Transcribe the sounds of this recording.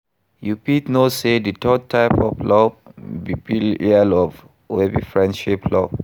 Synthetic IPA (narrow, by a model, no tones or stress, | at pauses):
jupitnoseditʰɔd̚tʰaɪpɔ̰flɔbbipilialɔv | webifɹɛ̃ndʃiplɔb